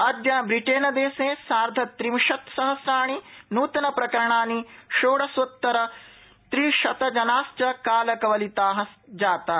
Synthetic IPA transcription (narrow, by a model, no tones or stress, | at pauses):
ɐd̪jɐbɾiʈeːnɐd̪eːseːsaːɾd̪ʱɐt̪ɾimʃɐt̪sɐɦɐsɾaːɳ̃inuːt̪ɐnɐpɾɐkɐɾɐɳaːniʃoːɽɐsʋɐt̪ːɐɾɐ | t̪ɾiʃɐt̪ɐd͡ʒɐnaːst͡ʃɐkaːlɐkɐʋɐlit̪aːɦɐsd͡ʒaːt̪aː